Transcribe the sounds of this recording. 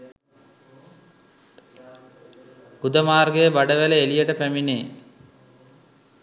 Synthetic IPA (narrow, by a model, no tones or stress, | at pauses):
ɡud̪əmaːrɡejəʋaɖəʋæləelijəʈəpæmineː